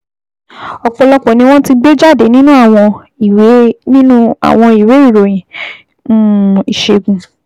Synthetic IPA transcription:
ɔ˧k͡pɔ˧lɔ˦k͡pɔ̃˨nĩ˧˦w̃ɔ̃˦ti˦ɡ͡be˦d͡ʒa˦˨de˨˦nĩ˦nũ˦a˦˨w̃ɔ̃˧ | i˨we˨˦nĩ˦nũ˦a̰˨w̃ɔ̃˧i˨we˨˦i˦˨ɾo˨j̃ĩ˨ | ũ˦i˨ʃe˧ɡũ˨

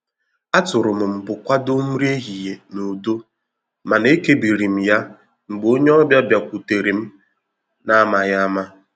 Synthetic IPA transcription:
a˦tʊ˨ɾʊ˨m̩˨m̩˨bʊ˨kʷa˦do˦m̩˦ɾe˦ɦi˨je˨no˨do˦ | ma˨ne˦ke˦bi˨ɾi˨m̩˨ja˦ | ŋ͡m̩˨ɡ͡bo˦ɲe˦ɔ˦bja˦bja˨kʷu˨te˨ɾi˨m̩˦ | na˦ma˨ja˦ma˦

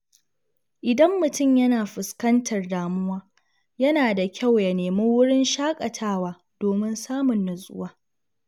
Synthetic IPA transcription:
ʔɪ˨dɐ˦mːʊ˨tʊ˦˨mjɐ˦naː˨ɸɪ˨skɐ˦ntʰɐ˨rdaː˨mʊ˦waː˦ | jɐ˦naː˨da˨kʲa˦˨wja˨neː˨me˦wʊ˦ɽɪ˦nʃaː˦kʼɐ˨tʰaː˦waː˦ | doː˨mɪ˦nsaː˦mʊ˨nːʊ˨sʼʊ̰˦waː˦

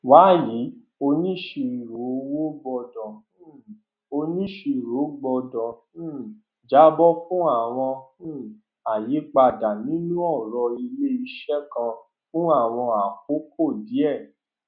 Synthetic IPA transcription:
wa˨˦ji˨˦ | o˧nĩ˦˨ʃe˧i˨ɾo˨˦wo˦ɡ͡bɔ˧dɔ̃˨˦ | o˧nĩ˦ʃe˧˨ɾo˨˦ɡ͡bɔ˧dɔ̃˨˦˨ | d͡ʒa˦bɔ˦fũ˦a˦˨w̃ɔ̃˧˦ | a˨ji˨˦k͡pa˧˨da˨nĩ˨˦nũ˦ɔ˦˨ɾɔ˧i˧le˦i˧ʃɛ˦kã˧ | fũ˦a˦˨w̃ɔ̃˧a˨ko˨˦kʰo˦˨di˨˦ɛ˦˨

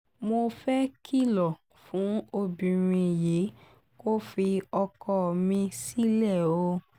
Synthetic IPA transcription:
mo˧fɛ˦ki˦lɔ˨ | fũ˨˦o˧bĩ˨ɾ̃ĩ˧je˨˦ | ko˦fi˧ɔ˧kɔ˧mĩ˧si˦lɛ˦˨o˧˦

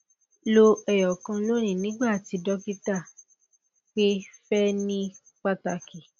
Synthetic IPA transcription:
lo˧ɛ˨jɔ˨kã˧lo˦ɾ̃ĩ˦˨nĩ˦ɡ͡ba˦˨ti˨˧˦dɔ˦ki˦ta˦˨ | k͡pe˦fɛ˦nĩ˦ | k͡pa˦ta˧ki˨

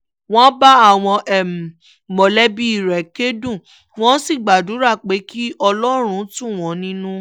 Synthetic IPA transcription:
w̃ɔ̃˦ba˦a˦˨w̃ɔ̃˧ʔɛ˨m˨ | mɔ˨lɛ˦bi˦i˦˨ɾɛ˨ke˦dũ˦˨ | w̃ɔ̃˦si˦˨ɡ͡ba˨du˨˦ɾa˦˨k͡pe˨˦ki˦ʔɔ˧lɔ˦ɾ̃ũ˦tũ˦˨w̃ɔ̃˨˦nĩ˦nũ˦

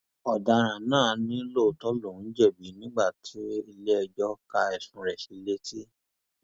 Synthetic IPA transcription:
ɔ˨da˧ɾ̃ã˨nãː˦˨nĩ˦lo˦˨tɔ˦lõ˦˨˦d͡ʒɛ˦˨bi˨˦nĩ˦ɡ͡ba˦˨tʰi˨˦i˧le˦ɛ˧d͡ʒɔ˦ka˧ɛ˨sũ˧ɾɛ˨ʃi˨˧˦le˦ti˦

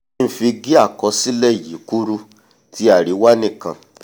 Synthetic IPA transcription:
m̩˨fi˧ɡi˦a˦˨kɔ˨˧˦si˦lɛ˦˨ji˨˦ku˦ɾu˦ | ti˨˦a˦˨ɾi˨˦wa˦nĩ˦˨kã̰˧

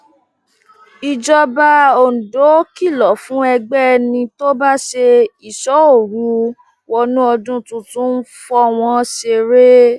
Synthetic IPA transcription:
i˨d͡ʒɔ˧ba˧o˨n̩˨do˨˦ki˦˨lɔ˨fũ˨˦ɛ˧ɡ͡bɛ˦nĩ˧to˦ba˦ʃe˧i˨ʃɔ˨˦o˦˨ɾu˨˦ | wɔ˧nũ˦ɔ˧dũ˦tũ˧tũ˦n̩˦fɔ˧w̃ɔ̃˧ʃe˧ɾe˦

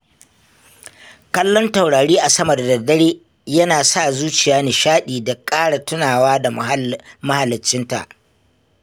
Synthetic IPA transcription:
kɐ˦lːɔ˦nta˨wɽaː˨ɽiː˦ʔa˨sɐ˦mɐ˨da˨dɐ˨dɐ˦ɽeː˦ | jɐ˦naː˨sa˦˨zuː˦t͡ʃɪ˨jaː˦neː˨ʃaː˦ɗiː˨da˨kʼaː˦ɽa˨tʊ˦naː˨waː˦da˨mɐ˦ha˨lːɪ˨t͡ʃːɪ˦nta̰˨ʔ

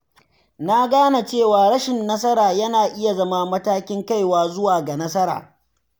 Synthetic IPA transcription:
na˦ɡaː˦na˨t͡ʃeː˦˨waː˨ɽɐ˦ʃɪ˨nːɐ˦s̬ɐ˦ɾaː˨jɐ˦naː˨ʔɪ˦ja˨zɐ˦ma˦mɐ˦taː˦kʲɪ˦ŋka˦jwaː˨zʊ˦waː˨ɡa˨nɐ˦sɐ˦ɾa̰ː˨

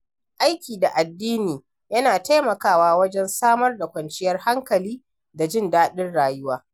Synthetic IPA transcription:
ʔa˦jkʲiː˨da˨ʔa˨dːiː˦niː˨ | jɐ˦naː˨ta˦jmɐ˨kaː˦waː˦wɐ˦d͡ʒɛ˦nsaː˦mɐ˦rda˨kʷɐ˨nt͡ʃɪ˦jɐ˦rha˦ŋkɐ˨liː˦ | da˨d͡ʒɪ˦ndaː˦ɗɪ˦nɽaː˨jʊ˦waː˦

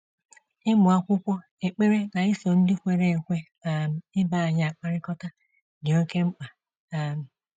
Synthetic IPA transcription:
ɪ˦mʊ˨a˦kʷʊ˦kʷɔ˦ | e˨k͡pe˦ɾe˦na˨ɪ˦so˨n̩˦dɪ˦kʷe˨ɾe˦e˨kʷe˦ | a˨m˨ɪ˦ba˦˨a˨ɲ˨a˨k͡pa˦ɾɪ˦kɔ˦ta˦ | dɪ˨o˦ke˦ŋ͡m̩˦k͡pa˨ | m̩˨

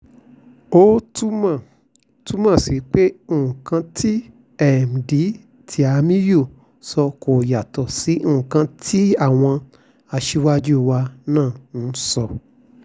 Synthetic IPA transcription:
o˦tu˦mã˦˨ | tu˦mã˦˨si˨˦k͡pe˦o˦˨ũ˨kã˧tʰi˦ | ɛ˦˨m̩˨di˨˦ | tʰi˧a˧mĩ˦jo˦˨ | sɔ˧ko˨ja˨tɔ˨si˨˦ũ˦˨ũ˨kã˧tʰi˦a˦˨w̃ɔ̃˧ | a˧ʃi˦wa˦d͡ʒu˦˧wa˧nãː˦˨ñ̩˨˦sɔ˧

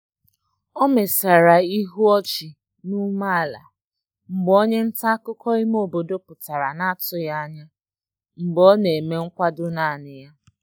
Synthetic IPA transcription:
ɔ˦me˨sa˨ɾa˨i˦ɦu˦ɔ˦t͡ʃi˨ | nu˦ma˦˨la̰˨ | m̩˨ɡ͡bo˦ɲe˦n̩˦ta˦kʊ˦kɔ˦i˦m˦o˦˨bo˨do˦pʊ˨ta˨ɾa˨na˦tʊ˦ja˦ɲa˦ | m̩˨ɡ͡bɔ˦ne˨me˦ŋ̩˦kʷa˦dʊ˦na˦˨nɪ˨ja˦

